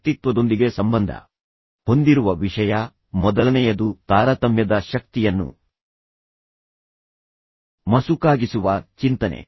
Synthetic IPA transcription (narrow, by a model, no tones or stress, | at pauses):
t̪it̪ʋɐd̪o̞nd̪iɡe̞sɐmbɐnd̪ʱɐ̰ | ho̞nd̪iɾuʋɐʋiʂɐjɐ | mɔd̪ɐlɐnɛjɐd̪ut̪aːɾɐt̪ɐmjɐd̪ɐʃɐk̚t̪ijɐnːṵ | mɐsukaːɡisuʋɐt͡ʃint̪ɐnḛ